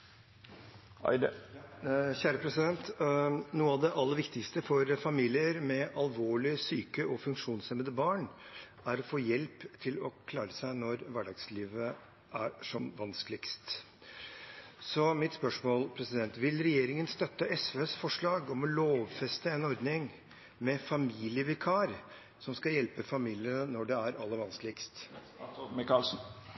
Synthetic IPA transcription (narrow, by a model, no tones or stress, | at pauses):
çæːɾəpʰɾɛsɪd̪ɛnt̪nuːəɑʋd̪ɛʔɑlːəɾʋɪkt̪ɪkst̪əfɔɾfɑmiːlɪəɾmɛʔɑlʋoːɭɪsyːkəʔɔfʉŋkʂuːnsɛmənd̪əbɑːɳ | æɾɔfoːjɛlpt̪ʰɪlɔkʰlɑːɾəsæɪnɔɾʋæɖɑːɡsliːʋə | ʔæɾʂɔmʋɑnskəlɪkst̪ | sɔmɪt̪spœʂmoːlpʰɾɛsɪd̪ɛnt̪ʋɪlɾɛjeːɾɪŋənst̪œt̪ːəʔɛsʋeːsfɔʂɭɑːɡɔmɔloːʋfɛst̪əɛnɔɾd̪nɪŋ | mɛfɑmiːlɪəʋɪkʰɑɾ | sɔmskɑjɛlpəfɑmiːlɪənənɔɖɛæɾɑlːəɾʋɑnskəlɪkst̪ | kɑ